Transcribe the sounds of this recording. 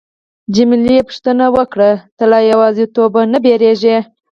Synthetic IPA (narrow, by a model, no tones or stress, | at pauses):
d͡ʒɪmɪlipʊ̥ʂt̪ənawəkɽat̪əlɑjawɑzet̪obanəbeɾeʒe